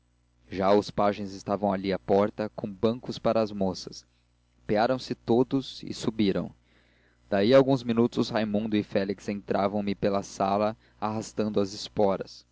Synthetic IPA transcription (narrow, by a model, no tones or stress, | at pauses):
ʒaʊspaʒẽj̃zɪst̪avɐ̃w̃aliapɔɾt̪ɐkõbə̃ŋkʊspaɾɐːzmosɐs | peaɾɐ̃w̃sɪt̪od̪ʊzɪ̰subiɾɐ̰̃w̃ | d̪̥aiawɡũzminut̪ʊzhajmũnd̪ʊɪfɛliksẽnt̪ɾʔavɐ̃w̃mɪpelɐsalɐ | aɦast̪ɐ̃nd̪ʊɐzɪspɔɾɐs